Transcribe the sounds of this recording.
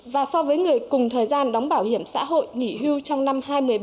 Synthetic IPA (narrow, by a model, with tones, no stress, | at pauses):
vaː˨˩sɔ˧vəː˨˦jŋɨ˨˩əjkʊ˨˩ŋ͡mt̪ʰəː˨˩jzaː˧nɗɔ˨˦wŋ͡mɓaː˧˩whi˧˩əmsa̰ː˧˥ɦo̰˧˨jŋḭ˧˩ɦi˧wt͡ɕɔ˧wŋ͡mna˧mhaː˧jmɨ˨˩əj